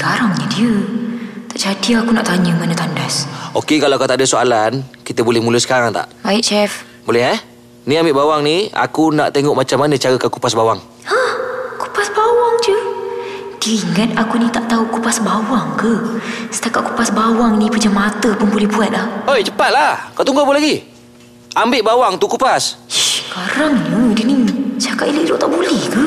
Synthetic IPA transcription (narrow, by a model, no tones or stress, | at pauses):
ɡaɾaŋɲədiə | t̪aʔd͡ʒadiakunaʔt̪aɲəmanət̪andasokekalaakat̪aʔdəsoa̰lankit̪əbolɛhmulʊsə̥kaɾaŋt̪a̰ʔbaɪʔt͡ʃɛf | bolɛhɛ | niambiʔbawaŋnia̰kuna̰ʔt̪eŋɔʔmat͡ʃamːanə̃t͡ʃaɾəkanku̥pasbawaŋ | ahku̥pasbawaŋd͡ʒə | d̥iiŋat̪̚akunit̪aʔt̪aukupasbawaŋkəsə̥t̪akat̪̚ku̥pasbawaŋnipad͡ʒamat̪əpʊnbolɛhbuat̪̚lahojt͡ʃəpat̪̚lahkaʔt̪uŋɡabolaɡi | ambɪʔbawaŋt̪ukupaskaɾaŋnədinit͡ʃakaʔiləʔɾoʔt̪aʔbulɛhkə